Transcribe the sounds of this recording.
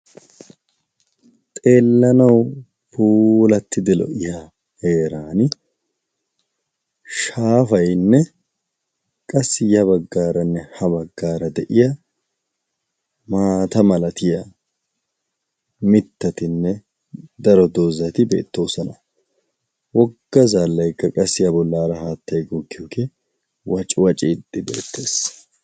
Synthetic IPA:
t̪ʼe̞ːlːɐnɐw | pʰuːlɐt̪ːɪd̪ɪlɔ̰ʔɪja | he̞ːɾaːn | ʃaːfɐjnːɛ | kʼɐsːɪjɐβɐɡːaːɾɐnːɛhɐβɐɡːaːɾɐd̪ɛʔɪjɐ | maːt̪ɐmɐlɐt̪ɪjɐ | mɪt̪ːɐt̪ɪnːɛ | d̪ɐɾɔd̪oːzɐt̪ɪbe̞̰ːt̪ːo̞ːsɐnɐ | wɔɡːɐzaːlːɐjkːɐkʼɐsːɪjɐbɔlːaːɾɐhaːt̪ʰːɐjɡɔkːɪjoːke | wɐt͡ʃʼɪwɐt͡ʃʼɪd̪ːɪbḛːt̪ʰːe̞ːs

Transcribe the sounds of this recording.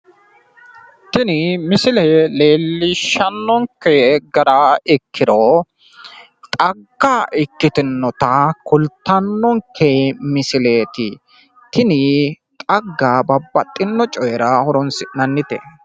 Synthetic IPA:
t̪ɪnɪmɪsɪlele̞ːlːɪʃːɐnːɔŋkːɛɡɐɾaɪkːɪɾɔ | t̪ʼɐɡːaʔɪkːɪt̪ɪnːɔt̪ɐkʰʊlt̪ːɐnːɔŋkʰːɛmɪsɪleːt̪ɪ | t̪ɪnɪ | t̪ʼɐɡːabɐbːɐt̪ʼːɪnːɔt͡ʃʼɔjɛɾɐhɔɾɔnsɪnɐnːɪt̪ɛ̰

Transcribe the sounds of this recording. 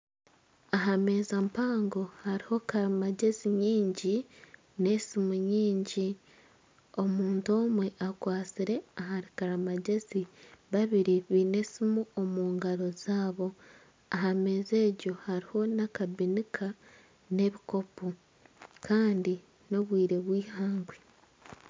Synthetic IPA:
aɦame̞ːzampaːŋɡo̞haɾiho̞kaɾamaɟe̞ziɲiːɲɟi | ne̞simuɲiːɲɟi | o̞muːnto̞ːmwe̞ʔakwaːt͡siɾe̞aɦaɾikaɾamaɟe̞ziβaβiɾiβine̞simuo̞muːŋɡaɾo̞z̥aːβo̞ | aɦame̞ːze̞ːɟo̞haɾiho̞nakabinikʰa | ne̞βiko̞pu | kʰaːndi | no̞βwiːɾe̞βwiːhaːŋɡwe

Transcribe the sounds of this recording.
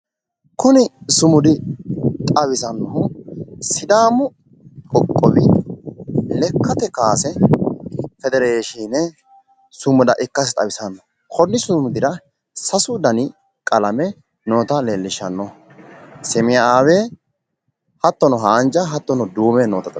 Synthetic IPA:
kʊnɪsʊmʊd̪ɪt̪ʼɐbɪsɐnːɔɦʊsɪd̪aːmʊ | kʼɔkʼːɔbɪ | lɛkːɐt̪ɛkaːsɛ | fɛd̪ɛɾeːʃiːnɛ | sʊmʊd̪ɐʔɪkːɐs̬t̪ʼɐbɪsɐnːɔ | kʰɔnːɪsʊmʊd̪ɪɾɐ | sɐsʊd̪ɐnɪ | kʼɐlɐmɛ | noːt̪ɐlelːɪʃɐnːɔ | sɛmɪjaaːweː | hɐt̪ːɔnɔɦaːnd͡ʒɐɦɐt̪ːɔnɔd̪uːmɛnoːt̪ɐt̪ʼɐ

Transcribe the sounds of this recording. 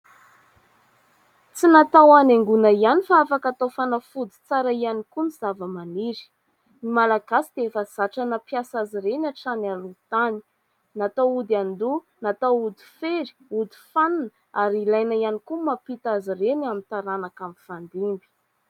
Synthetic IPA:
t͡sinat̪awaneŋɡunaianifaafakat̪afanafud̪i̥t͡saɾaianikuniz̥avəmaniɾi̥ | nimalaɡasid̪̥eefaz̥aʈ͡ʂanəpjasaziɾenaʈ͡ʂanalut̪ani̥ | nat̪awud̪and̪u | nat̪awud̪i̥feɾi̥ud̪i̥fannə | aɾilajnaianikumapit̪azirenamint̪aɾanakambifand̪imbi̥

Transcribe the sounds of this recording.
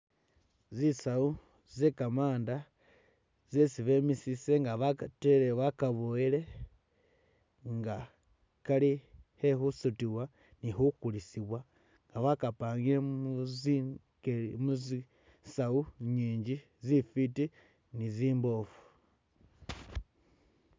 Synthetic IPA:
zisau | zekamaːnda | zesivemisiseŋɡaβateleβakaβoile̞ | ŋɡa | kalihe̞xusutiwa | nixukulisiβwa | ŋɡaβakapaːŋɡileuzi | kemuzi | sauɲiːɲɟi | zifiti | niziːmbofu̥

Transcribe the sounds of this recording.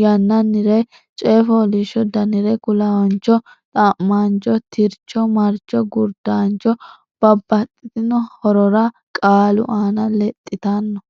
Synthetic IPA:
jɐnːɐnːɪɾɛ | t͡ʃʼeːfɔːliʃɔd̪ɐnɪɾɛkʊlawɔnt͡ʃːɔ | t̪ʼaːmːaːnt͡ʃːɔt̪ʰɪɾt͡ʃːɔmɐɾt͡ʃːɔɡʊɾd̪aːnt͡ʃːɔ | b̥ɐbːɐt̪ʼːɪt̪ɪnɔhɔɾɔɾɐ | kʼaːlʊ̰ʔaːnɐlɛt̪ʼːɪt̪anːɔ

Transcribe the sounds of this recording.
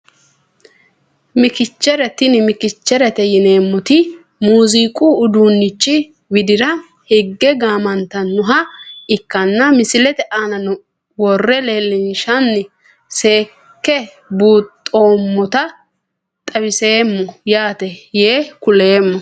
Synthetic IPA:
mɪkɪt͡ʃːɛɾɛt̪ɪnmɪkɪt͡ʃːɛɾɛt̪ɛjɪne̞ːmːɔt̪ɪ | muːziːkʼuːd̪unːɪt͡ʃːɪ | wɪd̪ɪɾɐ | hɪɡːɛɡaːmɐnt̪ɐnːʊɦɐɪkːɐnːɐmɪsɪlɛt̪ɛʔaːnɐnʊ | wɔrːɛleːlːɪnʃɐnːɪ | se̞ː | kːɛ | buːt̪ʼːo̞ːmːɔt̪ɐ | t̪ʼɐbɪse̞ːmːɔjaːt̪ɛjeːkʊle̞ːmːɔ

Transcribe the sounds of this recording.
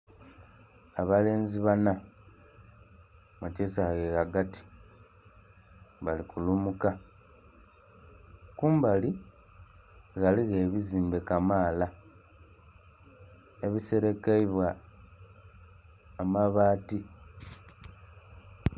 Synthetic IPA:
aβale̞ːnziβana | macesaɣeɣaɡati̥ | βalikulumuka | kuːmbali | ɣaliɣe̞ːβiziːmbe̞kamaːla | eβise̞ɾe̞kaiβwa | maβaːti

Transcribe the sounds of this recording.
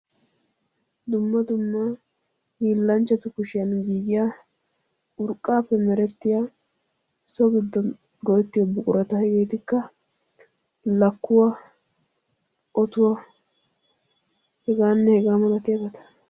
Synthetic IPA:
d̪ʊmːɐd̪ʊmːa | hiːlːɐnt͡ʃːɐt̪ʊkʊʃɪjɐnɡiːɡɪja | ʊɾkʼːaːpːɛmɛɾɛt̪ːɪjaː | sɔɡɪd̪ːɔn | ɡɔjɛt̪ːɪjɔbʊkʼʊɾɐt̪ɐhɛɡeːt̪ɪkːɐ | lɐkːʊwa | ʔɔt̪ʊwa | hɛɡaːnːɛhɛɡaːmɐlɐt̪ɪjɐɡɐt̪ɐ̥

